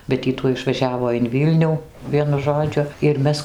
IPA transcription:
bʲɛt ˈiː tuɔj ɪʃʋɐˈʒʲæːʋoː ɪn ˈʋʲiːlʲnʲuː ˈʋʲiɛnʊ ˈʒoːd͡ʒʲʊ ɪr ˈmʲɛs

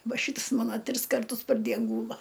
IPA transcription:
ˈʋɐ ˈʃʲiːts ˈmɑːnɐ ˈtʲrʲɪs kɐrˈtʊs pɐr ˈdʲiɛn ˈɡuːlˠɐ

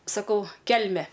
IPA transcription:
sɐˈkɐʊ ˈkʲɛlʲmʲɛ

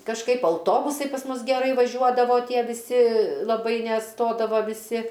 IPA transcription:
kɐʃˈkɐɪp ɐʊˈtoːbʊsɐɪ pɐs ˈmʊs ɡʲɛˈrɐɪ ʋɐˈʒʲuɔdɐʋoː ˈtʲiɛ ʋʲɪˈsʲɪ lˠɐˈbɐɪ nʲɛˈstoːdɐʋɐ ʋʲɪˈsʲɪ

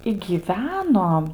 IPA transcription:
ɪ ɡʲiːˈʋʲæːnoː

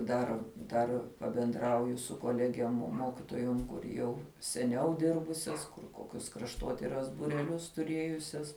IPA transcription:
ˈdɐr ˈdɐr pɐbʲɛnˈdrɐʊjʊ sʊ koːˈlʲæːɡʲiɛm ˈmoːkʲɪtoːjoːm kʊr ˈjɛʊ sʲɛˈnʲɛʊ ˈdʲɪrbʊsʲɛs kʊr ˈkoːkʲʊs krɐʃˈtoːtʲɪrɐs bʊrʲɛˈlʲʊs tʊˈrʲeːjʊsʲɛs

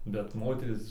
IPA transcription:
bʲɛt ˈmoːtʲɛrʲiːs

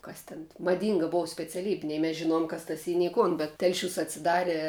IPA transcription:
ˈkɐs tʲɪn mɐˈdʲiːŋɡɐ ˈboːw sʲpʲɛt͡sʲɛˈlʲiːbʲɪ ˈnʲɛɪ mʲɛs ʒʲɪˈnoːjoːm kɐs tɐs ˈiː nʲɛɪ ˈkʊn bʲɛt ˈtʲɛlʲˌʃʲuːs ɐtʲsʲɪˈdɑːrʲɛ

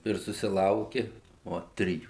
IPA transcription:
ɪr sʊsʲɪˈlˠɐʊkʲɪ ˈoː ˈtʲrʲɪjuː

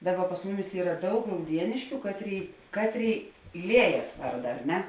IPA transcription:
ˈdɑːˌbɐ pɐs ˈmʊˌmʲɪs ˈiːrɐ ˈdɐʊk rɐʊˈdʲiɛnʲɪʃʲkʲʊ ˈkɑːtʲˌrʲeːɪ ˈkɑːtʲˌrʲeːɪ ˈlʲiɛjɛs ˈʋɐrdɐ ɐr ˈnʲɛ

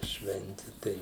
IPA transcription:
ˈʃʲʋʲɛnʲtʲɪ ˈtɐɪ

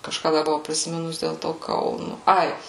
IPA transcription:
kɐʃˈkɑː ˈdɐ bʊˈʋɐʊ pʲrʲɪsʲɪˈmʲɪnʊs dʲeːlˠ ˈtoː ˈkɐʊnʊ ˈɐɪ

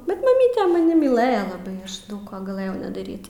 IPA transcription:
bʲɛt mɐˈmʲiːtʲɛ mɐˈnʲɪ mʲiːˈlˠɘjɛ lˠɐˈbɐɪ ˈɐʃ ˈdɐʊk ˈkoː ɡɐˈlˠɘjɛʊ nʲɛdɐˈrʲiːt

